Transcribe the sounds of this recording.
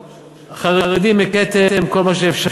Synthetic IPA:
χaʁeʁed̪imeket̪eemko̞lmaʃeefʃa

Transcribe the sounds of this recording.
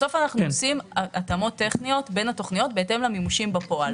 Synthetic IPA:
so̞fanaχnuosimaʔat̪amo̞t̪ːe̞χnijo̞tbe̞nhat̪o̞χnijo̞tbeete̞mlamimuʃimbapo̞al

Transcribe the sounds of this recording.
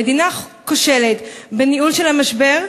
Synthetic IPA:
ed̪inakoʃe̞let̪beniʔulʃelhamaʃbe̞ʁ

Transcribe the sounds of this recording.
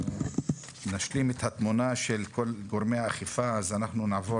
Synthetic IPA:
naʃlimet̪hat̪munaʃelko̞lɡoʁmejaːχifaːzanaχnunaːvo

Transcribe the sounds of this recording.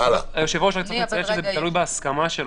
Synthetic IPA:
ala̰joʃevooʃakt͡smt͡sajeʃezet̪alujbeaskamaʃel

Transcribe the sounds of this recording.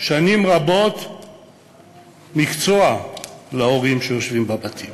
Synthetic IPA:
ʃanimʁabot̪ | mikt͡soalaoʁimʃejo̞ʃvimbabatʰim

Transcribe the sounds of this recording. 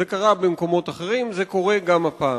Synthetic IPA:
ekaʁabemko̞mo̞t̪aχeʁimze̞ko̞ʁe̞ɡamhapaː

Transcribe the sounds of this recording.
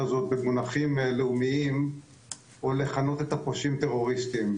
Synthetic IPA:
azo̞t̪̚bemonaχimleumiim | ole̞χano̞t̪e̞t̪apoʃimt̪e̞ʁo̞ʁist̪im

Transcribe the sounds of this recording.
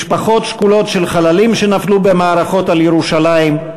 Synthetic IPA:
ʃpaχo̞tʃkulo̞tʃe̞lχalalimʃe̞naflube̞maːʁaχo̞taljeʁuʃalaim

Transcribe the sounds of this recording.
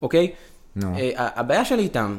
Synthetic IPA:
okej | eaʔabaːjaʃelitam

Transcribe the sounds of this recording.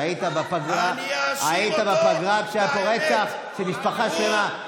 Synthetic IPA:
it̪abapaɡʁaait̪abapaɡʁaɡʃeapoʁet͡saχ | ʃemiʃpaχaʃlema

